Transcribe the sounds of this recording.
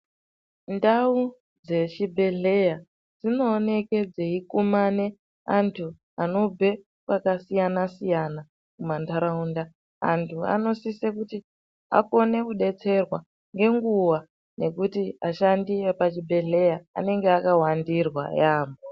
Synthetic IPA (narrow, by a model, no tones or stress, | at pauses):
ndau | d͡ze̞t͡ʃibʱe̞ɮe̞ja | d͡zino̞ːne̞ked͡zeikumane̞ | antʰu | ano̞bʱe̞ | kwakasijanasijana | kumantaɾaunda | a̰ntʰua̰no̞sisekuti | a̰ko̞ne̞kuɗe̞t͡se̞rwa | ŋɡe̞ŋɡuwa | ne̞kutiaʃandiepat͡ʃibʱe̞ɮe̞jaa̰ne̞ŋɡeakawandirwa̰jaːmbo